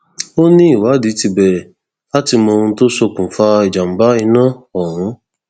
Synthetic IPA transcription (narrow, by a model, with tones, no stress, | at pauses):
o˦nĩ˦i˨wa˨˦di˨˦ti˧bɛ˨ | a˦ti˧m˧o˧ũ˧˦to˦so˧kũ˨fa˧i˨d͡ʒa˨m̩˨ba˦i˧˦nãː˦˨ɔ˨ɾ̃ũ˨˦